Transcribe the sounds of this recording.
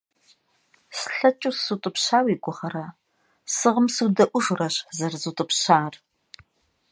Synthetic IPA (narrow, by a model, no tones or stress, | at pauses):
sɬɐt͡ʃʼʊsutʼɨpɕaːwiːɡʷʼʊχɐɾɐ | sɨʁəmsudɐʔʷʊʒʷrɐɕzɐrzutʼɨpɕaːr